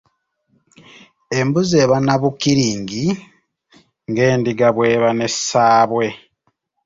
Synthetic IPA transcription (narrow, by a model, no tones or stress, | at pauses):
e̞mbuze̞ːβanaβukiɾiːŋɡi | ŋɡe̞ːndiɡaβwe̞ːβane̞saːβwe̞